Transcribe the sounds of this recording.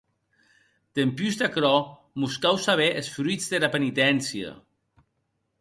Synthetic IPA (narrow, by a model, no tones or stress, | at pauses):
t̪empyzd̪akɾɔ | muskawsaβ̞eʔesfɾuizd̪eɾapenit̪ɛnsia̰